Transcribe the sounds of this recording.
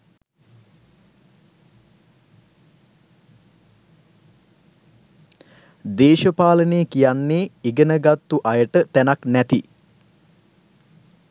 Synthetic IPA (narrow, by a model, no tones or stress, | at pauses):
d̪eːʃəpaːləneːkijanːeːiɡənəɡat̪ːuʔajəʈət̪ænaknæt̪i